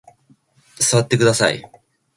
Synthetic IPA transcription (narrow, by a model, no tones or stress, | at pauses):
sɨβat̪ːe̞kɯ̟d̪asa̰ḭ